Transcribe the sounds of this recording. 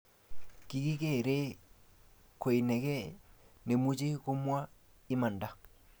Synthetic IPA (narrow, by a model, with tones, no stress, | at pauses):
ki˨ki˦ke˦˨ɾe˦ | ko˨i˨nɛ˨kɛ˦ne˨mu˦t͡ʃe˦kʊ˦mwa˦ | ɪ˦ma˨nda˨